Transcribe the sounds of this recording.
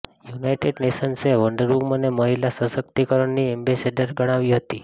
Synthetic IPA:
junajʈeɖneʃənseʋəɳɖəɾuməneməɦilasəsəkt̪ikəɾəɳniɛmbeseɖəɾɡʱəɽ̃aʋiɦət̪i

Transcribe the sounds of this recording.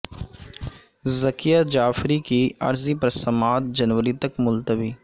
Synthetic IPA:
zɐkijad͡ʒaːfɾikiɐ̰ɾzipɾɐsɐmaːt̪̚d͡ʒɐnwəɾit̪ɐkmʊlt̪əbiː

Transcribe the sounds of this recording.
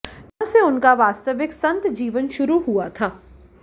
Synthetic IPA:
nɐ̃seʊnkaʋaːst̪əʋɪksɐ̃nt̪d͡ʒiːʋənʃʊɾuɦuat̪ʰaː

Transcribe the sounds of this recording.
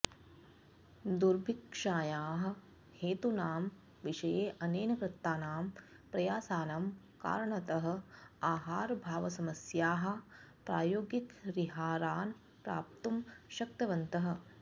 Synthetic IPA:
d̪uɾbʱikʂaːjaːɦɐ̆ | heːt̪unaːm | ʋiʂɐjeːʔɐneːnɐkɾɐt̪ːaːnaːm | pɾɐjaːsaːnaːm | ka̰ːɾɐɳɐt̪ɐɦɐ̆aːɦaːɾbʱaːʋɐsɐmɐsjaːɦɐ̆pɾaːjoːɡjikɾiɦaːɾaːn | pɾa̰ːp̚t̪umʃɐk̚t̪ɐʋɐnt̪ɐɦɐ̆

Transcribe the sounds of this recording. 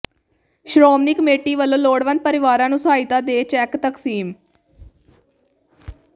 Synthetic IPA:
ʃɾoːmnɪkmeːʈːiːʋəlːõːloːɽʋənd̪̚pəɾɪʋaːɾãːnũːsaːɪt̪aːd̪eːt͡ʃɛːkt̪əksiːm

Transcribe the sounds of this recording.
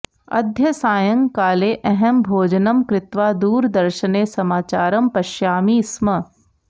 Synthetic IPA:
ɐ̰d̪ʱjɐsaːjɐ̃ŋkaːleːʔɛɦɛmbʱoːd͡ʒənɐmkɾɪt̪ʋaːd̪uːɾd̪ɐɾʃəneːsɐmaːt͡ʃaːɾɐmpɐʃjaːmiːsmɐ

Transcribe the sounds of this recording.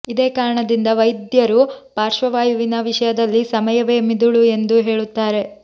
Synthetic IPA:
id̪eːkaːɾɐɳɐd̪ind̪ɐʋɐjd̪jɐɾupaːɾʂʋɐʋaːjuʋinɐʋiʂɐjɐd̪ɐlːisɐmɐjɐʋeːmid̪uɭue̞nd̪uɦe̞ːɭut̪ːaːɾe̞

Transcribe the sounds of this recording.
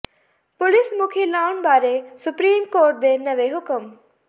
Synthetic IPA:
pʊlɪsmʊkʰilaːʊnbaːɾesʊpɾiːmkoːɾʈ̚d̪enɐʋeɦʊkəm

